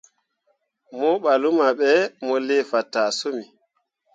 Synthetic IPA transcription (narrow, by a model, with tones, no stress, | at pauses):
mɔ˦ɓalu˦maɓɛmɔ˦lɛ˦fa˨tːaː˨so˦mi˨